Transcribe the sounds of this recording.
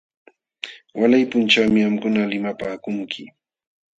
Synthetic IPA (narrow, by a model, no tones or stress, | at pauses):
walajpʊnt͡ʃawmɪhamkʊnalɪmapaːkʊŋkʰɪ